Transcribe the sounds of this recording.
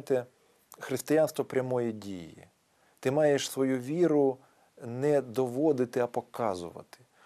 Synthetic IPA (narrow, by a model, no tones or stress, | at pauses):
t̪ɛ | xɾɪst̪ɪjanst̪ʋɔpɾʲɐmɔjidʲḭjḭ | t̪ɪmɑjeʃsʋɔjuʋʲiɾʊ | nɛd̪ɔʋɔd̪ɪt̪ɪɐpɔkɑzʊ̰ʋɐ̰t̪ɪ̥